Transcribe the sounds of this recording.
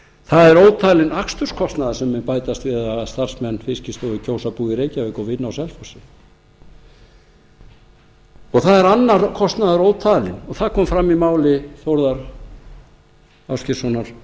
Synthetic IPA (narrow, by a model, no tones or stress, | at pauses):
θaðɛɾoːwt̪ʰaːlɪnakst̪ʏrskʰɔst̪naðasɛmːɛpaːjt̪ast̪vɪðaðst̪ar̥smɛnːfɪscɪst̪ɔɪcʰowsapuːɪɾeːjcavɪkɔvɪnːawsɛlfɔsɪ | ɔɣθaðɛɾanːaɾkʰɔst̪naðaɾoːwt̪ʰaːlɪnɔɣθaðkʰɔːmfɾamːimaːwlɪθowɾðaɾ̥ | awscɪ̥sɔnaɾ̥